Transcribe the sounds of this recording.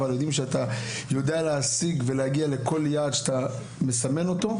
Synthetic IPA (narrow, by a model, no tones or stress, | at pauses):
valjo̞d̪imʃeat̪a | jo̞d̪ealeasiɡve̞leaɡiale̞ko̞ljaːd̪ʃat̪a | me̞same̞no̞t̪o̞